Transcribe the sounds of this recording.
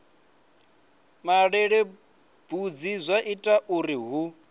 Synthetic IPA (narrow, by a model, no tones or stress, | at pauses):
maɺɛɺe | b̥ud͡zizʷaʔitʼaʔuɾiɦu